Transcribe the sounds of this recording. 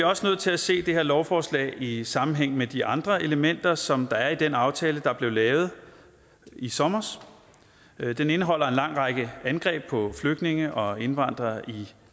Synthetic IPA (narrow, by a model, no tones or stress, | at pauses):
iɐɒ̽sənøð̩̰ˠt͡sʰe̝læse̝̰ːd̥e̝ɦeɐlɒʊfɒːslɛ̰ːɪisɑ̈mn̩ɦeŋ̰̩med̥iʔɑ̈nd̥ʁɐe̝ləmen̰d̥ɐsɒ̽md̥ɑ̈æɐid̥enɑ̈ʊt͡sʰɛːləd̥ɑ̈b̥le̝ʊlɛːʊð̞̩ˠ | isɒ̽mɐs | d̥ene̝nəɦɒ̽l̰ɐe̝nlɑ̈ŋ̰ʁɑ̈ɡ̥əænɡ̥ʁɛ̰ːb̥̚pʰɒ̽fløɡ̥ne̝ŋəʔɒ̽e̝nʋɑ̈n̰d̥ʁɐi